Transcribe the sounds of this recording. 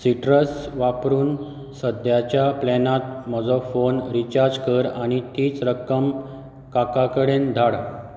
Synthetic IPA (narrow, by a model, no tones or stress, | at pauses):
siʈɾəsʋapɾuːn | səd̪ʱjat͡ɕjaplɛnat̪̚mɔd͡zɔfonɾit͡ɕaɾd͡zkəɾaɽ̃it̪iːt͡sɾəkəm | kakakəɽend̪ʱaɽ